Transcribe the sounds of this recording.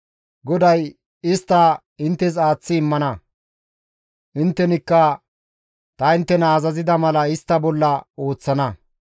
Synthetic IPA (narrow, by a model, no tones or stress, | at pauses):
ɡɔd̪ɐj | ɪst̪ːɐ | ɪnt̪ːɛs̬aːt͡sːɪːmːɐnɐ | ʔɪnt̪ːɛnɪkːɐ | t̪ɐɪnt̪ːɛnɐːzɐzɪd̪ɐmɐlɐɪst̪ːɐbɔlːɐo̞ːt͡sːɐnɐ